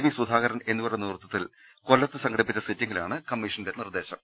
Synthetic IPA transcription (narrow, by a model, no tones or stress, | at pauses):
ʋisud̪ʱaːɣɐɾɐne̞nːukuɽɐnirt̪ːɐt̪ːil | ko̞lːɐt̪ːɨsɐŋɡɐɽipːit͡ɕːɐsitːɐŋːɐla̰ːɳɨkɐmːiʂɐnde̞nird̪e̞ːɕɐm